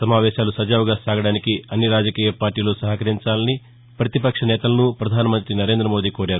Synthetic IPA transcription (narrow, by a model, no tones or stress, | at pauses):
sɐmaːʋɛːʃaːlusɐd͡ʒaːʋuɡaːsaːɡɐɽaːnikiɐnːiɾaːd͡ʒɐkiːjɐpaːɾʈiːloːsɐɦɐkɐɾiɲt͡ʃaːlɐni | pɾɐt̪ipɐkʂɐnɛːt̪ɐlɐnupɾɐd̪ʱaːnɐmɐnt̪ɾinɐɾe̞ːnd̪ɾɐmo̞ːd̪iːkoːɾaːɾu